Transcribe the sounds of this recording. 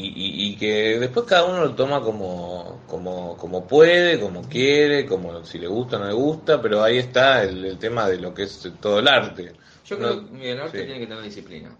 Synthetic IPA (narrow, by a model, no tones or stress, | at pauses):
iʔiikeðehpweskaðauno̞lot̪o̞mako̞mo | komoko̞mo̞pweð̞eko̞mo̞kjeɾekomosile̞̰ɣust̪aonole̞ɣust̪ape̞ɾo̞aie̞st̪aelelt̪emaðe̞lo̞keest̪oðoelaɾt̪e | ʒ̥oknɾoeomienaɾtet̪jeneket̪eneɾðisiplḭna̰